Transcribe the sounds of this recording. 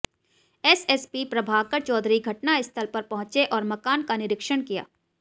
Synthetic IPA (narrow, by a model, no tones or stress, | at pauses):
ɛsɛspipɾɐbʱaːɡkɐɾt͡ʃɔːd̪ɾiɡʱɐʈnaɪst̪ʰɐlpɐɾpɐɦʊ̃t͡ʃeʔɔːɾmɐkaːnkanɪɾɪkʃəɳkija̰ː